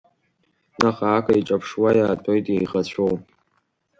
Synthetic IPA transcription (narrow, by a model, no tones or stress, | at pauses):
naχaakʷʰʼaiʈ͡ʂʼapʰʂwajaːtʰojtʼjejʁat͡ɕʷʰow